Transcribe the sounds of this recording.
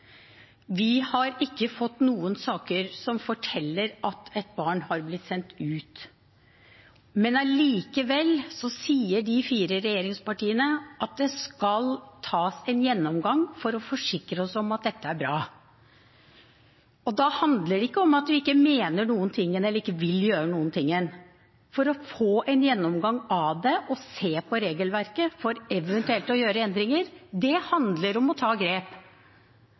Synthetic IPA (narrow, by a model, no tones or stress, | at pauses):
ʋɪhɑɾɪkːəfɔt̪ːnuːənsɑːkəɾsɔmfɔʈʰɛlːəɾɑt̪ɛt̪̚bɑːɳhɑɾblɪt̪ːsɛnt̪ʉːt̪ | mɛnɑliːkəʋɛlːsɔsiːəɖɪfiːɾəɾɛjeːɾɪŋspɑʈiːənəʔɑt̪̚d̪ɛskɑlt̪ʰɑːsɛnjɛnːɔmɡɑŋfɔɾɔfɔʂɪkɾəɔsɔmɑt̪̚d̪ɛt̪ːəæɾbɾɑː | ɔd̪ɑhɑnd̪ləɖɛɪkːəɔmɑt̪̚d̪ʉɪkːəmeːnəɳuːənt̪ʰɪŋːənɛlːəɾɪkːəʋɪljøːɾənuːənt̪ʰɪŋːən | fɔɾɔfoːʔɛnjɛnːɔmɡɑŋɑd̪ɛʔɔseːpʰɔɾeːɡəlʋæɾkəfɔɾɛʋɛnt̪ʉɛlt̪ɔjøːɾəɛnd̪ɾɪŋəɾd̪ɛhɑnd̪ləɾɔmɔt̪ʰɑːɡɾeːp